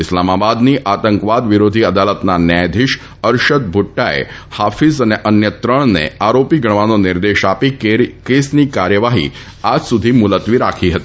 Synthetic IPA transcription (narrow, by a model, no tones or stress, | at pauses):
ɪslamabad̪niʔat̪əŋkʋad̪ʋɪɾod̪ʱiəd̪alət̪nanjajd̪ʱɪʃ | əɾʃəd̪̚bʱʊʈːaḛhafizəneʔənjət̪ɾəɳnḛaɾopiɡəɳ̃ʋanonɪɾd̪eʃapikesnikaɾjəʋaɦḭ | ad͡ʒsud̪ʱimʊlət̪ʋiɾa̰kʰiɦət̪i̥